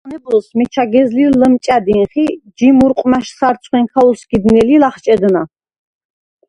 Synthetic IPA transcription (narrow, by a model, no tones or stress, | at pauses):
nɛblɔsmɛt͡ʃʰaɡɛzliləmt͡ʃʼad̪inχid͡ʒimuɾqʼmaʃsaɾt̪sʰχwɛŋkʰausɡ̥id̪nɛlilaχt͡ʃʼɛd̪na